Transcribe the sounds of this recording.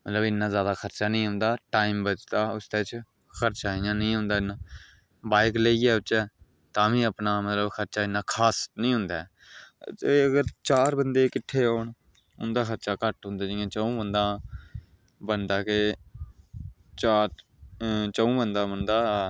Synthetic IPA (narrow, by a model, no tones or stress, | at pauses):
mət̪ləbɪnːãːzjaːd̪aːxʰəɾt͡ʃaːnĩːɦʊ̃ːnd̪aːʈaːiːmbət͡ʃt̪aːʊsd̪eːt͡ʃ | kʰəɾt͡ʃaːĩːãːnəĩːɦʊ̃ːnd̪aːɪnːãː | baːɪkləiːɛːʊt͡ʃːɛː | t̪ãːʋĩːəpnaːmət̪ləbxʰəɾt͡ʃaːɪnːãːkʰaːsnəĩːɦʊ̃nd̪aː | t̪eːəɡəɾt͡ʃaːɾbənd̪eːkɪʈʰːeːɦoːɳ | ʊ̰nd̪aːxəɾt͡ʃaːkəʈɦʊ̃nd̪aːd͡ʒɪjãːt͡ʃəũːbənd̪ãː | bənd̪aːke | t͡ʃaːɾ | t͡ʃəũːbənd̪ãːbənd̪aː